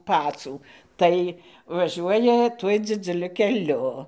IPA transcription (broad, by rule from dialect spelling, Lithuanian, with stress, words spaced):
ˈpɑːt͡suː ˈtɐɪ ʋɐˈʒʲuɔjɛ ˈtuɔj d͡zʲɪd͡zʊˈlʲʊ kʲɛˈlʲʊ